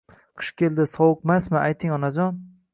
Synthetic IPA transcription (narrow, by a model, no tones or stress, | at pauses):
qʰɨ̥ʃkʲʰe̞ld̪ɪsɒwʊqmasmɪajt̪ʰɪŋɒnad͡ʒɒn